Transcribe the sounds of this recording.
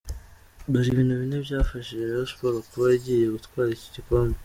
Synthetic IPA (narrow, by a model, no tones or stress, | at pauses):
baɾiβiːn̥huβine̞bɟaːfaʃiʒeiaʃoβo̞ɾakuβajiɟije̞ɡutkwaːɾici̥ɟikoːmbe